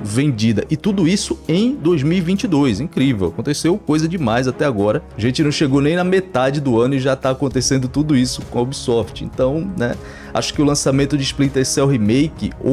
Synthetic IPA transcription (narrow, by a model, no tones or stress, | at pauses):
vẽnd͡ʒid̪ɐʔɪt̪ud̪ʊisʊẽj̃d̪ojzmiwivĩnt͡ʃɪd̪ojsĩkɾivewakõt̪esewkojzɐd͡ʒɪmajzat̪ɛaɡɔɾɐaʒẽnt͡ʃɪnɐ̃w̃ʃeɡownẽj̃nɐmet̪ad͡ʒɪd̪ʊɐ̃nʊiʒat̪aːkõnt̪esẽnd̪ʊt̪ud̪ʊisʊkõobisɔɾt͡ʃɪḛ̃nt̪ɐ̃w̃nɛ̰ | a̰ʃʊ̥kɪʊlɐ̃samẽnt̪ʊd͡ʒɪisplit̪ɐsɛʊɦimejkɪ̰o̰